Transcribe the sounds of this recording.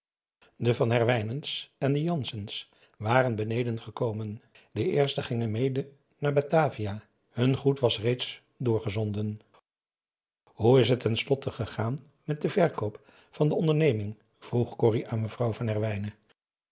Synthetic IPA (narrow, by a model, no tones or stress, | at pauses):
dəvɑnɦɛɹʋɛjnənsɛndəjɑnsəns | ʋaːrənbənejdənχəkowmən | dəʔɪːɹstəχɪŋənmejdə | naːɹbataːvia | hɵnχutʋɑsrejts | dʊːɹχəzɔndən | ɦuɪsɦətːɛnslɔtəχəχaːn | mɛt̚dəvɛɹkowp | fɑndəɔndəɹnejmɪŋ | v̥ruχkʊriʔaːnməvrʌwvɑnɦɛɹʋɛjnə